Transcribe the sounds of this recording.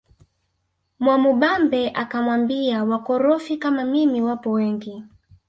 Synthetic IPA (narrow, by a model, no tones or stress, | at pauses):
mwamuɓambɛʔakamwambiawakɔɾɔfikamamimiwapɔwɛŋɡi